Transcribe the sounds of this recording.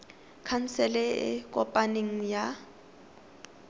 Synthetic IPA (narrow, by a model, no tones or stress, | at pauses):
kʰan̩sɛlɛɪ̰kʼɔpʼaneŋ̩ja